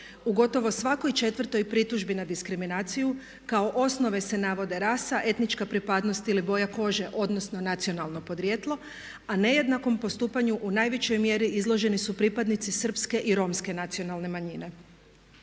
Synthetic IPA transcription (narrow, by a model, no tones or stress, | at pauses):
uɡo̞t̪o̞ʋo̞sʋako̞jt͡ʃe̞t̪ʋr̩t̪o̞jpɾit̪uʒbinad̪iskɾiminaːt̪siju | kao̞ʔo̞sno̞ʋe̞se̞naʋo̞d̪e̞ɾasaʔe̞t̪nit͡ʃkapɾipad̪no̞st̪ilibo̞jako̞ʒe̞ʔo̞d̪nosno̞nat̪sio̞nalˠno̞po̞d̪ɾjet̪lˠo̞ | ane̞je̞d̪nako̞mpo̞st̪uːpaɲuʔunaːjʋet͡ɕo̞jmje̞ɾiizlˠo̞ʒe̞nisupɾipad̪nit̪sisr̩pske̞ʔiɾo̞mske̞nat̪sio̞nalˠne̞maɲine̞